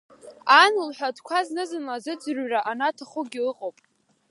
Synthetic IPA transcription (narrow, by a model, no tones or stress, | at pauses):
anɨlħʷᶣadʰkʷʰaznɨzɨnlazɨd͡zrɥraʔanatʰaχʊɡʲɪlɨqʼowpʼ